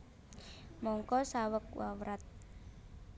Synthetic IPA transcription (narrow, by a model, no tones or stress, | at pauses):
mɔŋkɔsawək̚wa̰wɾat̪̚